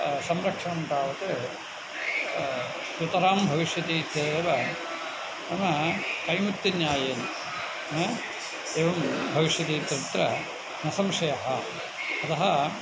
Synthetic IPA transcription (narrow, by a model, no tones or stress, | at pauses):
sɐmɾɐkʂɐɳɐmpɾaːʋɐt̪ɨ | t̪ɾut̪ɐɾaːmbʱɐʋiʂjɐt̪iːt̪ʰjɐeːʋɐ | ɐnɐkɐjmut̪ːjɐnjaːjeːn | eːʋɐmbʱɐʋiʂjɐt̪iːt̪ɾit̪ɾɐ | nɐsɐmʂɐjɐɦɐ | ɐt̪ɐɦɐ